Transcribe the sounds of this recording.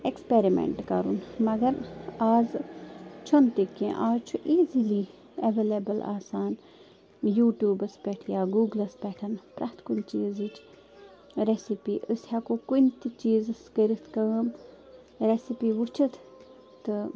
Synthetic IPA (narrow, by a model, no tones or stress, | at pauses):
ekspeɾimḛɳʈkɐ̰ɾṵnmɐɡɐɾaːz | t͡ʃʰont̪ikːẽʔaːzt͡ʃʰuʔiːzili | eʋelebɐlʔa̰ːsaːn | juːʈjuːbɐspʲeʈʰjaːɡuːɡlɐspʲɛʈʰɐnpɾɐt̪ʰkunt͡ʃiːzit͡ʃʰ | ɾesipiːʔəshakokunt̪it͡ʃiːzɨskəɾit̪ʰkɐm | ɾesipiʋut͡ʃʰɨt̪ʰ | t̪ɨ